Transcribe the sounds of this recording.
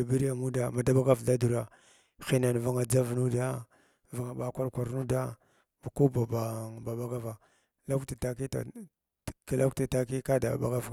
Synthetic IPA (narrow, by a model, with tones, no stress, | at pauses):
a˨bi˦ɾa˨mu˦da˨ma˨da˦ba˦ɡa˦vda˦du˨ɾa˦ | xi˦na˨n˨va˨ŋa˨d͡za˦vnu˦da˦ | va˨ŋa˨ɓa˨˦kʷa˦ɾkʷa˨ɾnu˦da˦ | ba˨ku˦ba˨ba˨ba˨ba˦ɡa˦va˨ | la˦kta˨ta˨ki˦ta̰˨ | ki˨la˦kta˨ta˨ki˦ka˦da˨a̰˨ba˦ɡa˦v